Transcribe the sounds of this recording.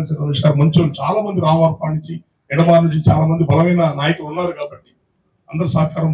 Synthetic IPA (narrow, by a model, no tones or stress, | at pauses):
sɐɐmiʂɡaːɾmɐɲt͡ʃoːlut͡ʃaːlaːmɐnd̪iɾaːʋaːɾpaːniɲt͡ʃi | ɛɽɐmaːɾnuɲt͡ʃit͡ʃaːlaːmɐnd̪ibʱɐlɐʋɐjnɐnaːjɐkulunːaːɾukaːbɐʈːi̥ | ɐnd̪ɐɾusɐːɐkaːɾɐm